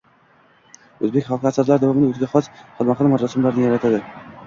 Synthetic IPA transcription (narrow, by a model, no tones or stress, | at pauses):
ɵzbekʲχalˠqɪasaɾlaɾd̪avɒmɪd̪aot̪ʰɡʲaχɒsχɨlˠmaχɑlˠmat̪ɾasɪmlaɾnɪjaɾat̪ʰad̪ɪ